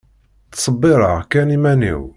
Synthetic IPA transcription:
tːsˤəbːɪɾˤəʁkænimænḭw

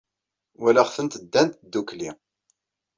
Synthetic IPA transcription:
wælæχfənt̪əd̪ːænt̪d̪ːukli

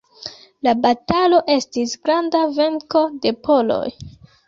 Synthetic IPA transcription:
labatalo̞ʔe̞stisɡɾandave̞ŋko̞de̞pʰo̞lo̞̰j

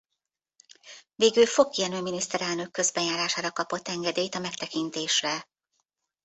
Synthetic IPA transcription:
veːɡylfo̞kːiɛnøːminist̪ɛɾɛlnø̞kːø̞zbɛjaːɾaːʃaːɾɒkɒpot̪ːɛŋɡɛd̪eːjt̪ɒmɛkt̪ɛkint̪eːʃrɛ

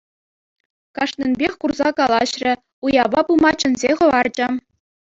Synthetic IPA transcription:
kɑʂnʲĕnʲbʲexʲkurzɑkɑlˠɑɕrʲɘ̆ | ujɑbɑbulˠmɑt͡ɕɘ̆nʲzʲeχɤ̆ʋɑrd͡ʑɘ̆

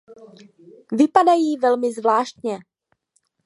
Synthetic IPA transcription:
vɪpadajiːvɛlmɪzvlaːʃt̪ɲɛ

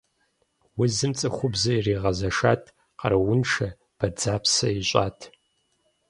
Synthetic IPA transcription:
wʊzɨmt͡sʼɨχʷʊbzɐjiriːʁɐzɐʃa̰ːtʰ | qɐ̰ɾɐwʊnʂɐ | b̥ɐd͡zaːpsɐiɕʼa̰ːtʰ

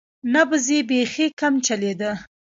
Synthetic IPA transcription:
nabəzebexekamt͡ʃaled̪ə

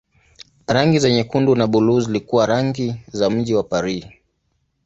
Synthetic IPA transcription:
ɾaŋɡizɛɲɛkundunaɓuluzilikuwaɾaŋɡizam̩ʄiwapaɾi

